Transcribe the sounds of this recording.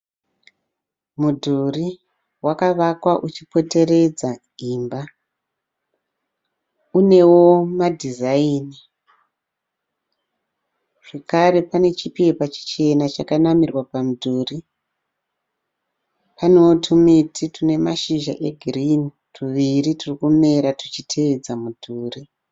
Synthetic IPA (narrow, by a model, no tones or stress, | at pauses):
mudʱuri | wakaʋakwaʔut͡ʃipo̞te̞re̞d͡za | imba | une̞wo̞madʱizaiːni | ʐ̥ekaɾe̞pane̞t͡ʃipipat͡ʃi̥t͡ʃe̞nat͡ʃakanamirwapamudʱuːri | panewotʰumitʰitune̞maʃiʒa̰ʔeɡʱirin | tuʋiriturikume̞ɾatut͡ʃitʰeed͡zamudʱuːri